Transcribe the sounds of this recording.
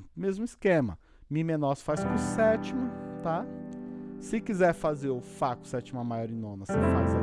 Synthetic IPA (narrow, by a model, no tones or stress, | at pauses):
mezmʊiskẽmɐ̰ | mĩmenɔsfaskʊ̃sɛt͡ʃimʊt̪a | sɪkizɛɾfazeɾʊfakʊ̥sɛt͡ʃimʊamajɔɾĩnõnɐsefa̰zɐ